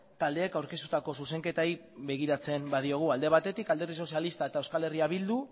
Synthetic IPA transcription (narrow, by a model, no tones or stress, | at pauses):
t̪ald̪e̞ːkawɾke̞st̪ut̪ako̞suse̞ŋke̞t̪ai | be̞ɣ̞iɾat͡se̞mbað̞io̞ɣ̞uald̪e̞β̞at̪e̞t̪ikald̪e̞ɾðiso̞sialist̪ae̞t̪aewskale̞riaβild̪u